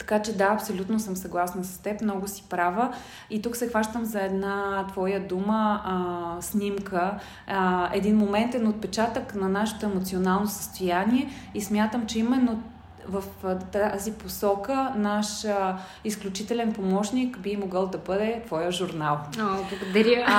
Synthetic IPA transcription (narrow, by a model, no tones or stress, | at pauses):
t̪ɐ̥kat͡ʃɛd̪aɐpsolʲut̪nosəmsɐɡlˠasnəsɐ̥st̪ɛpmnɔɡʊsi̥pɾavə | it̪uksɛxvaʃt̪əmzɐɛd̪nat̪vɔjəd̪umə | snʲimkə | ɛd̪inmomɛnt̪ɛnot̪̚pɛt͡ʃat̪əknɐnaʃɛ̥t̪oɛmot̪sionalˠnosə̥st̪ojaniɛismʲjat̪əmt͡ʃɛimɛnːo | vəft̪aziposɔkənaʃ | isklʲut͡ʃit̪ɛlɛnpomɔʃnikbimoɡɤlˠd̪ɐbɤd̪ɛt̪vɔjəʒuɾnalˠoblˠəɡod̪ɐɾʲə